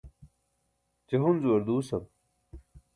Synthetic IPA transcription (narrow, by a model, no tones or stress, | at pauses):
t͡ɕeɦunzuwɐɾd̪uːsɐm